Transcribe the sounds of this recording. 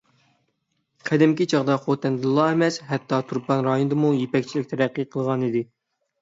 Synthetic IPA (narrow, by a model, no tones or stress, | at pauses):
qʰæd̪ɪmkʲit͡ʃʰɑʁd̪ɑχot̪ʰɛnd̪lˠːɑemɛshɛt̪ːɑt̪ʰuɾpɑnɾɑjonɨd̪ɨmujepɛkʲt͡ʃʰilɪk̚ʲt̪ʰɛɾɛqːiqʰəlˠʁɑnid̪ɪ